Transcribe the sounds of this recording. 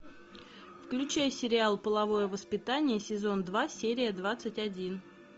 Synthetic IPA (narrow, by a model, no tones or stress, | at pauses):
fklʲʉt͡ɕæjsʲɪɾʲɪalˠpəlˠɐvo̞jəvəspʲɪt̪anʲɪjəsʲɪzo̞nd̪vasʲeɾʲɪjəd̪vat̪sɨtʲɐdʲin